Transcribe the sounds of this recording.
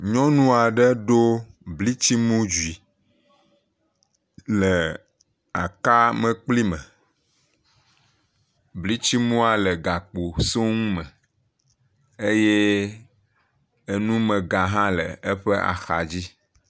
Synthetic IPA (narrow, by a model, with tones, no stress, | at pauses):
ɲɔ̃˦nũ˦a˨ɖə˦ɖo˦bli˦t͡ɕi˦mũ˦d͡ʒu˨i˨ | lə˨ | a̰˨ka˦mə̃˨k͡pli˦mə̰̃˨ | bli˦t͡ɕi˦mũ˦a˨lə˨ɡa˨k͡po˨so˦ŋũ˦mə̃˨ | e˦je˦ | e˦nũ˦mə̃˨ɡa˨ɦã˦lə̰˨e˦ɸə˦ʔa̰˨xa̰˨d͡ʑi˦